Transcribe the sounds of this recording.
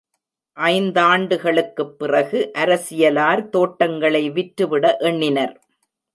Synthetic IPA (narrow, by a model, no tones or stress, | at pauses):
ʔɐɪnd̪aːɳɖɯɣɐɭɯkːɯpːɪrɐɣɯʔɐɾɐsɪjɐlaːɾt̪oːʈːɐŋɡɐɭɐɪʋɪʈɾɯʋɪɽɐʔɛɳːɪnɐɾ